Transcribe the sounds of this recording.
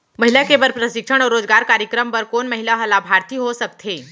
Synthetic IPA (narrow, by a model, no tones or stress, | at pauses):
məɦilakebəɾpɾəʃɪkʂəɽ̃ɔːɾːoːd͡zɡaːɾkaːɾjəkɾəmpəɾkoːnməɦilaɦəlabʱaɾt̪iɦosək̚t̪ʰeː